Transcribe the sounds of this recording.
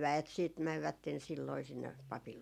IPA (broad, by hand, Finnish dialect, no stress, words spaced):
ʋæet siːt mæʋːætːen silːoi sinːe pɑpil